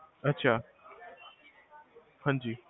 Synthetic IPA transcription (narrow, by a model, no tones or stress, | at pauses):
ɐtːɕʰaː | pʰɐ̃nd͡ʑiː